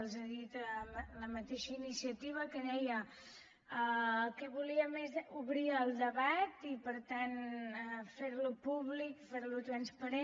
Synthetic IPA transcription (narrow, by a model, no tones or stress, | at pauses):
lˠzeðit̪əmləmət̪eʃəinisiət̪iβ̞əkənɛjə | əkɛβuliəmezuβɾiəlˠd̪əβat̪ipəɾt̪anəfeɾlupuβlikfeɾlut̪ɾənspəɾe